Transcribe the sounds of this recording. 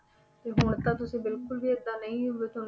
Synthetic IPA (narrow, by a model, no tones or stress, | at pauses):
t̪eːɦʊːət̪aːt̪ʊsĩːbɪlkʊlbiːəd̪aːnəĩːɦʊʋeːt̪on